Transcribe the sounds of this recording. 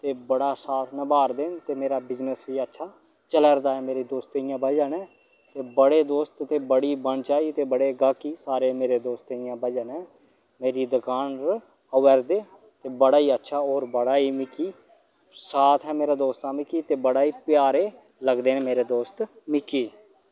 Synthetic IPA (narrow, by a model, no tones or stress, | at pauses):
t̪eːbəɽaːsaːt̪ʰnəbaːɾd̪eːnt̪eːmeːɾaːbɪznəsʋiːətːʃʰaː | t͡ʃələɾd̪aːɛːmeːɾiːd̪oːst̪ːɪjãːbəd͡ʒənɛː | t̪eːbəɽeːd̪oːst̪t̪eːbəɽiːbəɳt͡ʃaːit̪eːbəɽeːɡaːkiːsaːɾeːmeːɾeːd̪oːst̪eɪjãːbəd͡ʒənɛ̃ː | meːɾiːd̪əkaːnɾ | əʋəɾd̪eː | t̪eːbəɽaːiːətːʃʰaːɔːɾbəɽaːiːmɪkiː | saːt̪ʰɦɛːmeːɾaːd̪oːst̪ãːmɪkiːt̪eːbəɽaːiːpɪjaːɾeː | ləɡd̪eːnːmeːɾeːd̪oːst̪ | mɪkiː